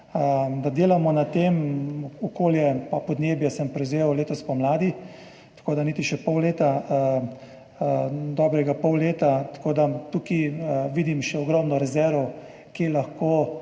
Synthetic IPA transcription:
əd̪ad̪eːlamɔnat̪emɔkoːljɛpapɔd̪neːbjɛsəmpɾɛwzewleːt̪ɔspamlaːd̪i | t̪ɐ̥koːd̪aniːt̪iʃɛpɔwleːt̪a | d̪ɔːbɾɛɡapɔwleːt̪at̪ḁkoːd̪at̪uːkiʋiːd̪imʃɛɔɡɾɔmnɔɾɛzɛɾʋɔw | kjelaxkoː

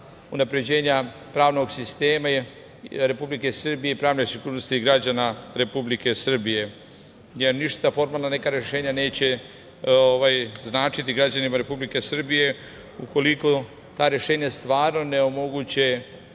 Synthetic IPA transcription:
unapɾe̞d͡ʑe̞ːɲa | pɾaːʋno̞ɡsist̪e̞ːma | ɾe̞publike̞sr̩bije̞ipɾaːʋnesiɡuːɾnost̪iiɡɾad͡ʑanaɾe̞publike̞sr̩bije̞ | jeɾniʃt̪afo̞ɾmaːlˠnanekaɾje̞ʃe̞ːɲane̞ːt͡ɕe̞ | oʋajznaːt͡ʃit̪iɡɾad͡ʑanimaɾe̞publike̞sr̩bije̞ | uko̞liko | t̪aːɾje̞ʃe̞ːɲast̪ʋaːɾno̞ne̞o̞mo̞ɡut͡ɕe

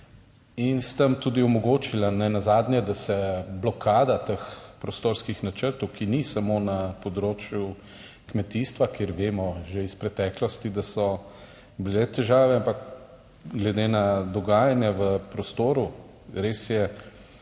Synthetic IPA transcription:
inst̪ɐmt̪uːd̪iɔmɔɡoːt͡ʃilanɛnazaːd̪nʲjɛd̪asɛblɔkʰaːd̪at̪əxpɾɔst̪oːɾskixnat͡ʃəɾt̪ɔwkinisamonapɔd̪ɾoːt͡ʃju | kmɛt̪iːst̪ʋakeːɾʋeːmɔʒeispɾɛt̪ɛːklɔst̪id̪asɔ | bilɛt̪ɛʒaːʋɛampak | ɡlɛd̪enad̪ɔɡaːjanjɛʋəpɾɔst̪oːɾu | ɾesjɛ

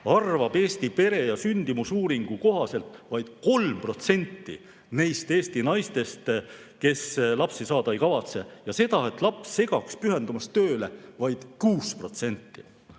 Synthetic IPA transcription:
ɑrvɑb̥e̞ːst̪ipe̞ɾe̞jɑsynʲd̪̥imusuːɾiŋɡ̥uko̞ɦɑse̞lt̪ˑvɑjd̪̥ko̞lmpro̞t̪se̞nʲt̪ːḭ | ne̞jst̪e̞ːst̪inɑjst̪e̞st̪ | ke̞slɑpsisɑːd̪̥ɑe̞jkɑvɑt̪se̞jɑse̞d̪̥ɑe̞t̪ːˑlɑpsːe̞ɡ̥ɑkspyɦe̞nd̪umɑst̪ø̞ːle̞vɑjd̪̥kuːspro̞t̪se̞nʲt̪ːi

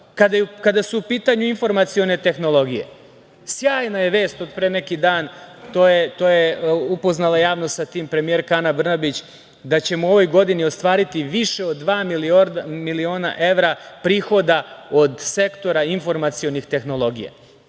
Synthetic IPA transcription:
kad̪akad̪asuːpiːt̪aɲuinfo̞ɾmat̪sio̞ne̞t̪e̞xno̞lˠo̞ɡije̞̰ | sjaːjnajeʋe̞ːst̪o̞d̪pɾene̞kid̪aːnt̪oːjet̪oːjeupo̞znalˠajaːʋnost̪sat̪iːmpɾe̞mije̞ɾkanabr̩nabit͡ɕ | d̪at͡ɕe̞muo̞ʋo̞jɡo̞d̪inio̞st̪ʋaːɾit̪iʋiʃe̞od̪ːʋaːmiliomilio̞ːna̰ʔe̞ʋɾapɾiːxo̞d̪ao̞d̪se̞kt̪o̞ɾainfo̞ɾmat̪sio̞nixt̪e̞xno̞lˠo̞ɡija̰

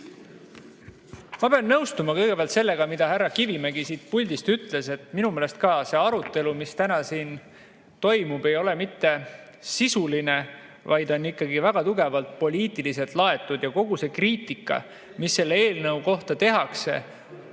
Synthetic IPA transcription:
mɑpeɑnːɤwst̪umɑkɤjɡ̥e̞peæɑlt̪selːe̞ɡ̥ɑmid̪̥ɑhærːɑkivimeɡisiːt̪̚pulʲd̪̥ist̪yt̪ˑle̞se̞t̪minumeːlest̪̚kɑːse̞ːɑɾut̪ːˑe̞lumist̪ænɑsiːn | t̪o̞jmub̥e̞jo̞le̞mit̪ːe̞ | sisuline̞ | vɑjd̪̥o̞nːikːɑɡivæɡ̥ɑt̪uɡe̞vɑlt̪̚po̞lʲiːt̪ːˑilis̬e̞lt̪lɑe̞t̪ːˑud̪̥jɑko̞ɡ̥use̞kriːt̪ikˑːɑ̰ | misːe̞lːeeːlnɤwko̞ht̪ɑt̪e̞ɦɑkse̞̰

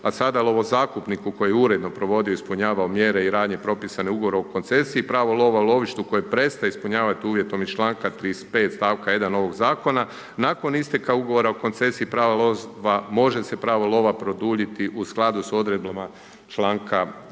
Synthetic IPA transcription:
asad̪alo̞ʋozaːkupnikuko̞jeuɾe̞d̪no̞pɾo̞ʋo̞d̪ioispuɲaːʋaomjeɾeiɾaːd̪ɲe̞pɾo̞pisaneuɡoʋo̞ɾeoko̞nt̪se̞siːpɾaːʋolˠo̞ʋaulo̞ʋiʃt̪uko̞jepɾe̞st̪ajeispuɲaːʋat̪iuːʋje̞t̪o̞mit͡ʃlˠaːŋkat̪ɾispe̞ːt̪st̪aːʋkaje̞d̪ano̞ʋo̞ɡzaːko̞na | nako̞nist̪ekauɡoʋo̞ɾaoko̞nt̪se̞siːpɾaːʋaloʋamo̞ʒe̞se̞pɾaːʋolˠo̞ʋapɾo̞d̪uːʎit̪iʔusklˠad̪uso̞d̪ɾeblˠama | t͡ʃlˠaːŋkʰa

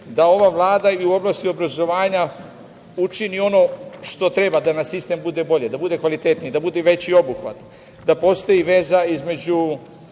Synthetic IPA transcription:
d̪ao̞ʋaʋlˠaːd̪aiuo̞blast̪io̞bɾazo̞ʋaːɲa | ut͡ʃinio̞no̞ʃt̪o̞t̪ɾe̞bad̪anasist̪e̞mbud̪ebo̞ʎe̞d̪abud̪e̞kʋalit̪e̞t̪nid̪abud̪eʋe̞t͡ɕio̞buxʋa̰t̪ | d̪apo̞st̪o̞jiʋe̞zaizme̞d͡ʑu

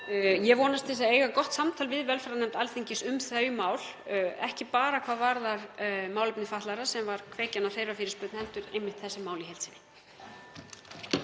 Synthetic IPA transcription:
jɛvɔːnast̪θɛsaeːjɣakɔht̪samt̪ʰaːlvɪðvɛlfɾanɛmt̪alθiɲcɪsʏmθœːjmaːwlɛ̰hcɪpaːɾakʰvaːðvaɾðaɾmaːwlʏpnɪfaht̪laɾḁsɛmvaɾ̥kʰvɛːcanafejɾafɪːɾɪspʏt̪nhɛlt̪ʏɾejmːɪht̪θɛsːɪmaːwliɦɛlsɪnɪ

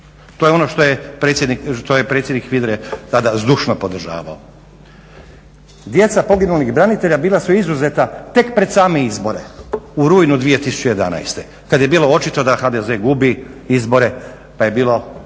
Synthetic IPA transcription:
t̪ojeo̞no̞ʃt̪ojepesjed̪nikʃt̪ojepɾet̪sjed̪nikʋid̪ɾet̪ad̪azd̪uʃnopo̞d̪r̩ʒa̰ːʋa̰o | d̪je̞t̪sapo̞ɡinuliɣbɾanit̪e̞ʎabiːlasuizuze̞t̪at̪e̞kpɾe̞d̪saːmeizbo̞ɾe̞uɾuːjnud̪ʋije̞t̪isu̥t͡ɕejed̪a̰na̰jst̪e | kad̪je̞biːlo̞o̞t͡ʃit̪o̞d̪axad̪eze̞ɡubiizbo̞ɾe̞ | paje̞biːlo̞

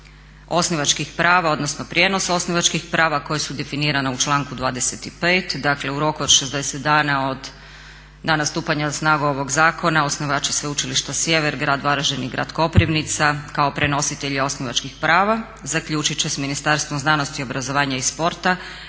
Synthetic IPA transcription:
o̞sniʋat͡ʃkixpɾaːʋao̞d̪no̞snopɾjeno̞so̞sniʋat͡ʃkixpɾaːʋako̞jesud̪e̞finiːɾanaut͡ʃlˠaːŋkud̪ʋaːd̪eset̪ipeːt̪d̪akle̞uɾo̞kuod̪ʃezd̪eset̪d̪aːnao̞d̪ | nanast̪uːpaɲasnaːɡuo̞ʋo̞ɡzaːko̞naosniʋaːt͡ʃisʋeut͡ʃiliʃt̪asje̞ʋeɾɡɾaːd̪ʋaɾaʒeniɡɾa̰ːd̪ko̞pɾiʋnit̪sakao̞pɾe̞no̞sit̪e̞ʎao̞sniʋat͡ʃkixpɾaːʋa | zakʎuːt͡ʃit͡ɕesminist̪aɾst̪ʋomznanost̪iobɾazo̞ʋaːɲaispo̞ɾt̪a

